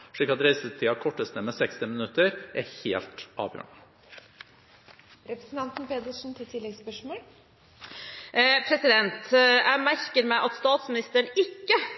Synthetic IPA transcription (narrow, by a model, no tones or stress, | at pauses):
ʂɭiːkːɑt̪ɾæɪsət̪ʰiːɑkʰɔʈːəst̪əmɛsɛkst̪ɪmənʉt̪ːəɾʔæ̰ɾheːlt̪ɑ̰ːʋjø̰ːɳə | ɾɛpɾə̥sn̩t̪ɑnt̪n̩peːd̪əʂn̩t̪ʰɪlt̪ʰɪlːɛɡspœʂmoːl | pʰɾɛsɪd̪ɛnt̪jʔæɪmæɾkəɾmæɪʔɑt̪st̪ɑːt̪smɪnɪst̪əɳɪkːə